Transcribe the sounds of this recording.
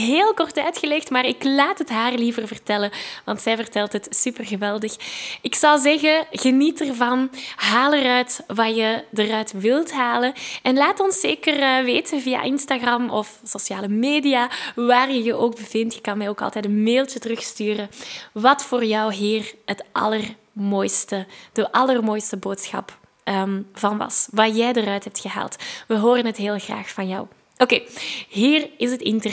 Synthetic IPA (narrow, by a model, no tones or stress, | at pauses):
ɦeːlˠkɔrtœɥtxəlɛxtmaːrɪklaːtɦətɦaːrlivərvərtɛləʋɑntsɛjvərtɛlˠtɦətsypərɣəʋɛlˠdəxɪksɑwˠzɛɣəɣənitərvɑnɦaːlərœɥtʋaːjədəɾœɥtʋɪlˠtɦaːlənɛnlaːtɔnseːkərəʋeːtʰəvija̰ʔɪnstaɣrɑmɔfsosjaːləmeːdiaːʋaːrjəjəʔoːɡ̚bəvɪntjə̥kɑnmɛjoːkɑ̰lˠtɛjtənmeːlˠtətərɵxstyːrəʋɑtfoːrjɔwɦiːrətʔɑ̰lər | moːjstəd̥əʔɑlərmoːjstəboːtsxɑ̰p | əmv̥ɑnʋɑ̰sʋaːrjɛjdərœɥtɦɛp̚txəɦa̰ːlˠtʋəɦoːɾənɦətɦeːlˠɣra̰ːxfɑnjɔ̰w | ʔokeːɦiːrɪsətɪntə